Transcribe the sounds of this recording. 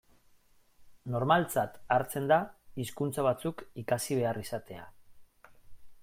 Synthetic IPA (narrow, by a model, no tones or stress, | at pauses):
no̞ɾmalt͡sat̪aɾt͡se̞nd̪aiskunt͡saβ̞at͡sukikasiβ̞e̞arisat̪e̞a̰